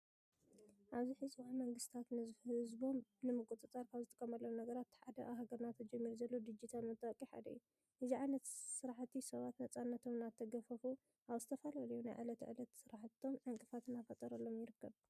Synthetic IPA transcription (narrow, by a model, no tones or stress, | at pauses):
ʔaβziħɨzbamɐŋɡɨst̪ʰat̪nɨhhɨzbo̞mnɨmɨkʼut̪ʼɨt͡sʼaɾkʰaβzɨt̪ʼɨkʼːɐmɐlːɐwnɐɡɐɾat̪ːħad̪ɐʔaɦaɡɐɾnat̪ʰːɐd͡ʒɐmːiɾuzɐlːod̪ɨd͡ʒit̪ʰalmɨt̪ʼɐkʼːiħa̰d̪ɐ̰ju | ʔɨziʕajnɐt̪sɨɾaħt̪ʰːisɐβat̪nɐt͡sʼanːɐt̪ʰo̞mnat̪ʰːɐɡɐfɐfu | ʔaβzɨt̪ʰɐfalɐlɐjunajʕa̰lɐt̪ʕɨ̰lɐt̪sɨɾaħt̪ʰːo̞mʕɨŋkʼɨfat̪ʰɨnafɐt̪ʼɐɾɐlːo̞mjɪɾɨkːɐβ